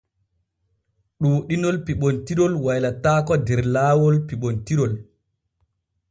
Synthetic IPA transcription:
ɗuɗinɔlpiɓɔntiɾɔlwajlataːkɔdɛɾlaːwɔlpiɓontiɾɔl

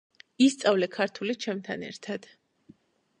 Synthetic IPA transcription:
ist̪sʼavlɛkʰaɾt̪ʰulit͡ʃʰɛmt̪ʰanɛ̰ɾt̪ʰad̪̥

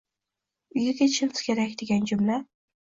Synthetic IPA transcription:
ʊjɪɡʲat͡ʃʰɪlt̪ʰkʲʰeɾakʲd̪eɡʲand͡ʒʊmla

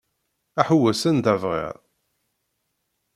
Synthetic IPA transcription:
æħuwːæsənd̪ævʁḭɾˤ

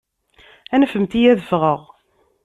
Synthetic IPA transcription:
ænfəmt̪ijæðəfʁəʁ

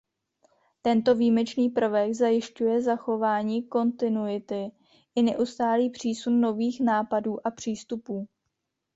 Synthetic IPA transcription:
t̪ɛnt̪o̞viːmɛt͡ʃniːpr̩vɛɡzajɪʃcujɛzaxo̞vaːɲiːko̞nt̪ɪnujɪt̪ɪ | ʔɪnɛʔust̪aːliːpr̝̥iːsunːo̞viːxnaːpaduːʔapr̝̥iːst̪upuː

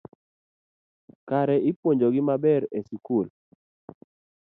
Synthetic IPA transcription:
kaɾɛɪpwoɲd͡ʒoɡɪmabɛɾesikul

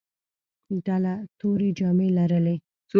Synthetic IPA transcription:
d̪alat̪oɾid͡ʒɑmelaɾəle

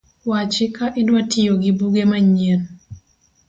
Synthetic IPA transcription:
wat͡ʃɪkaʔidwatʰijoɡibuɡemaɲen

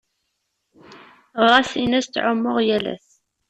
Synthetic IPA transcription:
ʁɾˤɑsinæst̪ːʕʊmːʊʁjælæ̰s

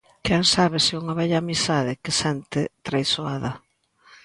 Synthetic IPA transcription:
kɛŋsaβɪsɪuŋɐβɛʎɐːmisaðɪkɪsɛnt̪ɪt̪ɾejsoaðɐ

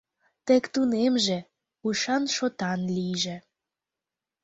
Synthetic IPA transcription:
t̪ekt̪unemʒĕ | uʃɑnʃot̪ɑnlijʒĕ

